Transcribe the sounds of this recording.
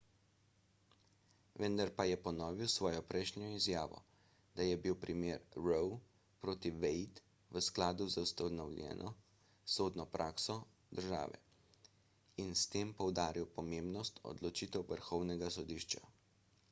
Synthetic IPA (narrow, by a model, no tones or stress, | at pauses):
ʋənd̪aɾpajɛpɔnɔːʋiwsʋɔːjɔpɾʔɛjʃnjɔizjaːʋɔ̰ | d̪ajɛbiwpɾimeːɾɾɔw | pɾoːt̪iʋɛjt̪ | ʋəsklaːd̪uzawst̪anɔwlʲjɛ̰ːnʔɔ | soːd̪nɔpɾʔaːksɔ | d̪əɾʒa̰ːʋɛ̰ | inst̪eːmpɔwd̪aːɾiwpɔmeːmbnɔst̪ɔ̰d̪lɔt͡ʃiːt̪ɛwʋəɾxɔwnɛɡasɔd̪iːʃt͡ʃa̰